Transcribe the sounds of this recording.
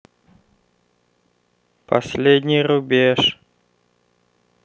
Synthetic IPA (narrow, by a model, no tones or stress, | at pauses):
pɐ̰sʲlʲedʲnʲɪjrubʲeʂ